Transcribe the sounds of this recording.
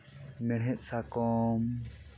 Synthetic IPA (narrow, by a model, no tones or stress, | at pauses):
mɛɽ̤ɦɛt̪̚ˀsakɔm